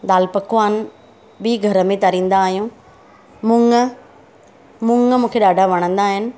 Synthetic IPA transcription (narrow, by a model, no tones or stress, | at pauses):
d̪aːlpɐkʊʋaːn | ɓiːɡʱɐɾəmẽt̪ɐɾĩːn̆d̪aːɦijũ | mʊ̃ːŋɡə | mʊ̃ŋɡmũːkʰeɗaːɖʱaʋɐɽ̃ə̃nd̪aːɦɪnɪ̆